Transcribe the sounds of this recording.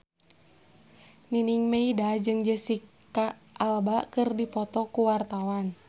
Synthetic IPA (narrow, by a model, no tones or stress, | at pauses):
niniŋmeidad͡ʒɨŋd͡ʒəsik | a | ʔalbakɨrdipɔt̪ɔkuwart̪awan